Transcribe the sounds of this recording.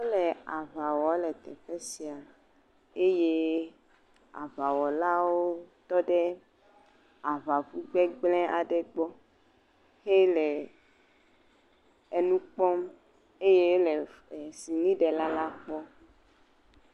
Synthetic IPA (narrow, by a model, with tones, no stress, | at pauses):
o˦lɛ˨a˨va˨wɔ˨˦lɛ˨t̪ɛ˨ɸe˦si˨a˨ | e˦je˦ | a̰˨va˨wɔ˨la˦wo˦t̪ɔ˦ɖɛ˦ | a˨va˨vu˦ɡ͡bɛ˦ɡ͡blɛ̃˦ʔa˨ɖɛ˨ɡ͡bɔ˦ | he˦lɛ˨ | e˨nũ˦k͡pɔ˦m | e˦je˦le˨si˨nĩ˦ɖe˨la˦la˦k͡pɔ˦